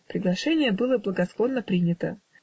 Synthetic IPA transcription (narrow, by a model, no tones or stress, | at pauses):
pɾʲɪɡlˠɐʂɛnʲɪjəbɨlˠəblˠəɡɐsk̪ˠonːəpɾʲinʲɪt̪ə